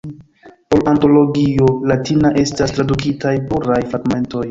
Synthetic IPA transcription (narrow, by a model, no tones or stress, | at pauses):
polanto̞lo̞ɡio̞latinaʔe̞stastɾadukitajpuɾajfaɡme̞nto̞j